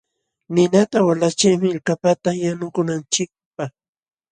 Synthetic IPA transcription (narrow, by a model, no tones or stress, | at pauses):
nɪnat̪awalat͡ʃɪjmɪlkapat̪ajanʊkʊnant͡ʃɪk̚paχ